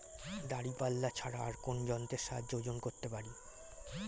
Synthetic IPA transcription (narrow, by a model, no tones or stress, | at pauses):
d̪aɽipalːat͡ɕʰaɾaːɾkond͡ʑɔnt̪eʃad̪d͡ʑod͡ʑonkoɾt̪epaɾi